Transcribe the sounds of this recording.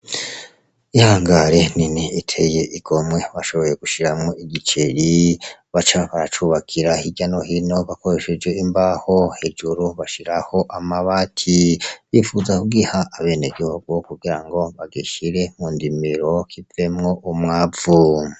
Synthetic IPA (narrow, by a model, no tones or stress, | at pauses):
ihaːŋɡaɾeniniitʰe̞je̞ʔiɡ̥o̞mŋe̞βaʃo̞βo̞je̞ɡuʃiɾamŋoiɡit͡ʃeɾiβat͡ʃaβaɾat͡ʃuβakʰiɾahiɟano̞hino̞βako̞ɾe̞ʃed͡ʒweimbaho̞he̞d͡ʒuɾuβaʃiɾaho̞ʔamaβatʰiβifuzakuɡihaʔːβe̞neɡihuɡokuɡiɾaŋɡo̞βaɡiʃiɾe̞muːndimiɾo̞kʰivemŋo̞ʔumŋaːvu